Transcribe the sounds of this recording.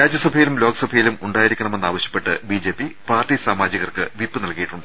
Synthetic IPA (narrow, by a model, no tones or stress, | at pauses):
ɾaːd͡ʑjɐsɐbʱɐjilumlo̞ːkɐsɐbʱɐjilumuɳɖaːjiɾikʲːuɐɳɐmenːaːʋɐɕjɐ̥pːe̞ʈːɨbiːd͡ʑe̞ːpːipaːrʈisaːmaːd͡ʑjɐɣɐrkɨʋipːɨnɐlkijiʈːuɳɖɨ